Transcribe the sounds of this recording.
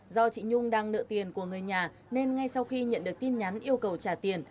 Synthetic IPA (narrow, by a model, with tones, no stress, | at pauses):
zɔ˧t͡ɕḭ˧˨ɲʊ˧ŋ͡mɗaː˧ŋnɨ̰˧˨t̪i˨˩ənku˧˩əŋɨ˨˩əjɲaː˨˩ | ne˧nŋa˧jsa˧wxi˧ɲə̰˧˨nɗɨ˨˩ək̚t̪i˧nɲa˨˦nʔi˧əwkə˨˩wt͡ɕaː˧˩t̪i˨˩ən